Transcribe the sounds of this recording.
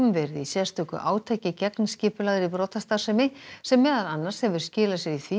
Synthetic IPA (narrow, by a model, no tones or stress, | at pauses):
mvɛːɾɪðisɛðast̪ʰœːkʏ̰ʔa̰ːwt̪ʰɛːcɪcɛknscɪːpʏlaːðɪɾipɾɔːt̪ast̪asɛmɪsɛmːɛːðaðanːaɾ̥shɛvʏɾ̥scɪːlasjɛɾiθvi